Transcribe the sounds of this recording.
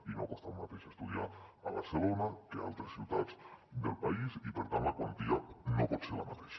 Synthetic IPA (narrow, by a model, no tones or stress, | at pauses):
inokost̪amat̪eʃast̪uð̞iaːβaɾselonakea̰lˠt̪ɾesːiwt̪ad͡zd̪elˠpaisipəɾt̪anlakwant̪ianopɔt̪seɾlamat̪eʃ